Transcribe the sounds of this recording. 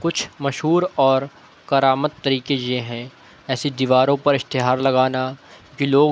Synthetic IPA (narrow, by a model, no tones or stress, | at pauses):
kʊt͡ʃʰmɐʃɦuːɾɔːɾ | kɐɾaːmət̪ːɐɾiːkejeɦɛ̃ | ɛːsid̪iʋaːɾõpɐɾɪst̪ɪɦaːɾlɐɡaːnakiloːɡ